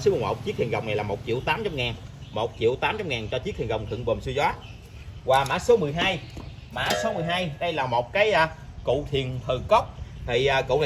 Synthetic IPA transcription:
svhə̰˨˩wk͡p̚t͡ɕi˦˥k̚t̪ʰi˨˩ɣə˨˩wŋ͡mna˨˩jlaː˨˩mo˨˩t̚t͡ɕḭ˧˨əwt̪aː˨˦mt͡ɕmŋaː˨˩nmo˨˩t̚t͡ɕḭ˧˨əwt̪aː˨˦mt͡ɕa˧mŋaː˨˩nt͡ɕɔ˧t͡ɕi˦˥k̚t̪ʰi˨˩ɣə˨˩wŋ͡mt̪ʰɨ̰˧˨ŋvəː˨˩sɨ˧zwaː˨˦˥ | vwaː˨˩ma̰ː˧˥so˨˦mɨ˨˩jɦaː˧j | ma̰ː˧˥so˨˦mɨ˨˩əjɦaː˧jɗə˧jlaː˨˩mo˨˩t̚kaː˨˦jʔa˧ | kṵ˧˨t̪ʰi˨˩ənt̪ʰə˨˩kə˦˥wk͡p̚t̪ʰi˨˩ʔəː˨˩kṵ˧˨wn˨

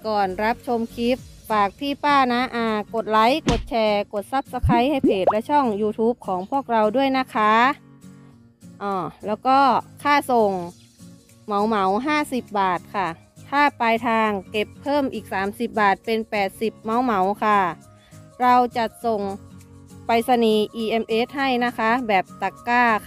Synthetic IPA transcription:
kɔː˨˩nɾa˦˥p̚t͡ɕʰo˧mkʰi˦˥p̚ | faː˨˩k̚pʰiː˧˥˩paː˥˩na˦˥ʔaː˧ko˨˩t̪̚la˦˥jko˨˩t̪̚t͡ɕʰɛː˧ko˨˩t̪̚sa˧˦˥p̚sa˧kʰa˧˥jha˧˥˩jpʰeː˨˩t̪̚lɛ˦˥t͡ɕʰɔ˥˩ŋjuː˧t̪ʰuː˦˥p̚kʰɔː˩˦ŋpʰu˥˩ək̚ɾa˧wdu˥˩əjna˧˥kʰaː˧˥ | ʔɔː˨˩lɛː˦˥˩wkɔː˥˩kʰaː˥˩so˨˩ŋ | ma˨˦wma˨˦wɦaː˥˩si˨˩p̚baː˨˩t̪̚kʰa˧˩ | t̪ʰaː˧˥˩pa˧jt̪ʰaː˧ŋke˧˩pʰːɤː˥˩mʔiː˨˩k̚saː˩˦msi˨˩p̚baː˨˩t̪̚pe˧npɛː˨˩t̪̚si˨˩p̚ma˨˦wma˨˦wkʰa˧˩ | ɾa˧wt͡ɕa˨˩so˨˩ŋ | pa˧jsa˧niː˧˦ʔiː˧ʔe˧mʔe˧˦˥t̪̚ha˥˩jna˦˥kʰa˦˥bɛː˨˩p̚t̪a˨˧˩kːaː˧˩

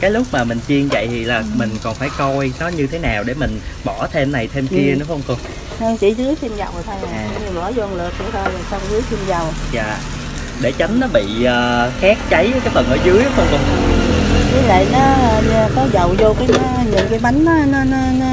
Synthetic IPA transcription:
kaː˨˦jlʊ˦˥k͡p̚maː˨˩mï˨˩ŋ̟t͡ɕi˧əŋvə̰˧˨jt̪ʰi˨˩laː˨˩mï˨˩ŋ̟kɔ˨˩nfaː˧˩jkɔ˧jnɔ˨˦ɲɨ˧t̪ʰe˨˦naː˨˩wɗe˧˩mï˨˩ŋ̟ɓɔ˧˩t̪ʰe˧mna˨˩jt̪ʰe˧mki˧ənɨ˨˦xə˧wŋ͡mkʊ˧ŋ͡m | nə˧wŋ͡mt͡ɕḭ˧˩˦zɨ˨˦əjt̪ʰi˧mzə˨˩wt̪ʰo˧jɲɨ˧˩ɔ˧˦zo˧ŋlɨ˨˩ək̚ku˧˩əɗɔ˧jla˨˩sa˧wŋ͡mzɨ˨˦əjt̪ʰi˧mza˨˩wzaː˨˩ | ɗe˧˩t͡ɕa˨˦ŋ̟nɔ˨˦ɓḭ˧˨əː˨xɛ˦˥k̚t͡ɕə˨˦jkaː˨˦jfə˨˩nʔəː˧˩˦zɨ˨˦əjhə˨˧˦hə˧wkʊ˧ŋ͡mki˨˦lə̰˧˨nɔː˨˦˧kɔ˨˦zə˨wzo˧kaː˨˦jɲɨ̰˧˥ŋkaː˨˦jma˨˦ŋ̟ɔ˨˦nɔ˨˦nɔ˨˦nɔ˨˦

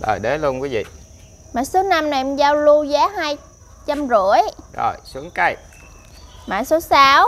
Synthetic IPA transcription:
ɗo̰˨˩jɗe˨˦lu˧ənkwi˨˦vḭ˧˨ | ma̰ː˨so˨˦na˧mnɛ˨˩mzaː˧wlu˧zaː˨˦ɦaː˧j | t͡ɕa˧mzu˧˩əjzo̰˨˩jsu˨˦əŋkə˧˩j | ma̰ː˧˨so˨˦saː˨˦w

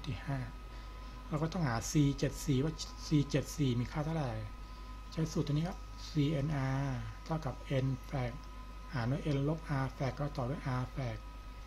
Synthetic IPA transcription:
t̪ʰiː˨˩haː˥˩ | ɾa˧kɔː˥˩t̪ɔ˥˩haː˩˦siː˧t͡ɕe˨˩t̪̚siː˨˩waː˥˩ | siː˧t͡ɕe˨˩t̪̚siː˨˩miː˧kʰaː˥˩t̪ʰa˥˩˨ɾaː˨˩j | t͡ɕʰa˦˥˩su˨˩˧ni˦˥˩ | siː˧ʔe˧nʔaː˧t̪ʰa˥˩wka˨˩p̚ʔe˧nfɛː˨˩k̚ | haː˩˦nu˧˥˨ʔe˧nlo˦˥p̚ʔaː˧fɛː˨˩kːɔː˥˩t̪ɔː˨˩du˥˩˨jʔaː˧fɛː˨˩k̚

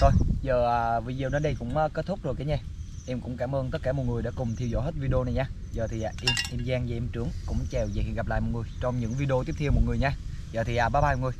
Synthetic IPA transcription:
t̪ʰo˧jzəː˨˩ʔaː˨˩vi˧˩zə˨˩nəː˧nɗə˧jkʊ̰˧˥ŋ͡mʔəː˧ke˦˥t̚t̪ʰʊ˦˥k͡p̚zo˨˩jkaː˨˦ɲɛ˧ | ʔɛ˧mkʊ̰˧˥ŋ͡mkaː˧˩mʔəː˧nt̪ə˦˥t̚kːaː˧˩mo˨˩t̚ŋ˨˩əjɗa̰ː˧˥˦kʊ˨˩ŋ͡mt̪ʰi˧wzɔ̰˧˦he˦˥t̚vi˧ɗə˧o˧na˨˩jɲaː˧ | zəː˨˩t̪ʰi˨˩ʔaː˨˩ʔɛ˧mʔɛ˧mzaː˧ŋzaː˧˩ʔɛ˧mt͡ɕɨ˨˦əŋkʊ̰˧˥ŋ͡mt͡ɕɛ˨˩wz̰ːhi˨˧˨nɣpla̰ː˧˨jmo˨˩t̚ŋɨ˨˩əjt͡ɕɔ˧wŋ͡mɲɨ̰˧˥ŋvi˧ɗə˧o˧t̪i˦˥əp̪̚ʰɛ˧əwmo˨˩t̚ŋɨ˨˩əɲaː˧ | zəː˨˩t̪ʰi˨˩ʔaː˨˩ɓaː˨˦˥ɓaː˧˨ɔ˨˩ŋ˨˩j

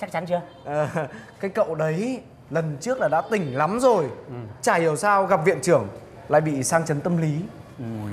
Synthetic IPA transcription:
t͡ɕa˦˥k̚t͡ɕa˨˦nt͡ɕɨ˧ə | ʔəː˨˩kaː˨˦jkə̰˧˨wɗə˨˦j | lə˨˩nt͡ɕɨ˦˥ək̚laː˨˩ɗa̰ː˧˥t̪ï˨˩ŋ̟la˨˦mzo˨˩jt͡ɕaː˧˩i˨˩əwsaː˧wɣa˨˩p̚vḭ˧˨ənt͡ɕɨ˧˩əŋ | la̰ː˧˨jɓḭ˧˨saː˧ŋt͡ɕə˨˦nt̪ə˧mli˨˦

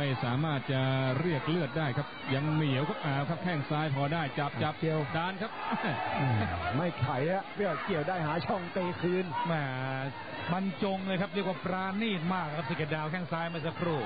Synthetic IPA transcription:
ma˥˩jsaː˩˦maː˥˩t̪̚t͡ɕa˧ɾi˥˩ək̚lɯ˥˩ət̪̚daː˥˩jkʰa˦˥p̚ja˧ŋmi˨˩˦əwkʰa˦˥p̚ʔaː˨˩wkʰa˦˥p̚kʰɛ˥˩ŋsaː˦˥jpʰɔː˧daː˥˩jt͡ɕa˨˦p̚t͡ɕa˨˩p̚wdaː˧nkʰa˦˥p̚a˧˩aː˧˩ma˥˩jkʰa˨˦ja˧˦˥ɾi˥˩əki˨˩əwdaː˥˩jɦaː˩˦t͡ɕʰɔ˥˩ŋt̪eː˧kʰɯː˧nmɛː˧˩ | ma˧nt͡ɕo˧ŋlɤː˧jkʰa˦˥p̚ɾi˥˩ək̚waː˥˩pɾaː˧niː˥˩t̪̚maː˥˩k̚lːkʰa˥si˧˩ke˧˩t̪̚daː˧˩wkʰɛː˥˩ŋsaː˦˥jma˥˩jsa˧kʰɾuː˥˩

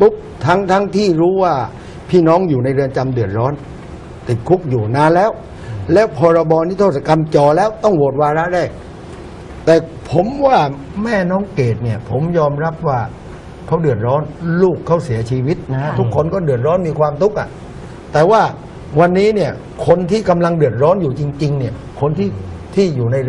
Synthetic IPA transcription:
pu˦˥p̚t̪ʰa˦˥ŋt̪ʰa˦˥ŋt̪ʰiː˥˩ɾuː˦˥waː˥˩ | pʰiː˥˩nɔː˦˥ŋjuː˨˩na˧jɾɯ˧ənt͡ɕa˧mdɯ˨˩ət̪̚ɾɔː˦˥n | t̪i˨˩t̪̚kʰu˦˥k̚juː˨˩naː˧nlɛː˦˥w | lɛː˦˥wpʰɔː˧ɾa˧bɔː˧niː˦˥˩t̪ʰoː˥˩sa˧ka˧mt͡ɕɔː˨˩lɛː˦˥wt̪ɔ˥˩ŋwo˨˩t̪̚waː˧ɾa˦˥ʔɾaː˥˩jk̚ | t̪ɛː˨˩ | pʰo˨˦mwaː˥˩ | mɛː˥˩nɔː˦˥ŋkeː˨˩t̪̚ni˥˩ɐpʰo˩˦mjɔː˧mɾa˦˥p̚waː˥˩ | kʰa˦˥wdɯ˨˩ət̪̚ɾɔː˦˥nluː˥˩kʰːa˦˥˩si˩˦ɐt͡ɕʰiː˧wi˦˥t̪̚ʰu˦˥kʰːo˧nkɔː˥˩dɯ˨˩ə˩t̪̚ɾɔː˦˥nmiː˧kʰwaː˧mt̪ʰu˦˥k̚ʔa˨˩ | t̪ɛː˨˩waː˥˩ | wa˧nːiː˦˥ni˥˩ɐ | kʰo˧nt̪ʰiː˥˩ka˧mla˧ŋdɯ˨˩ət̪̚ɾɔː˦˥njuː˨˩t͡ɕi˧ŋt͡ɕi˧ŋni˥˩ɐ | kʰo˧nt̪ʰiː˥˩t̪ʰiː˥˩juː˨˩na˧j

